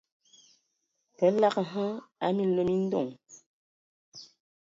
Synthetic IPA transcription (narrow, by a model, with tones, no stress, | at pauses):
pɛ˨˦la˦kɦə˦a˦mi˦˨lə˨mi˦n̩˦dɔ̰˦˨ŋ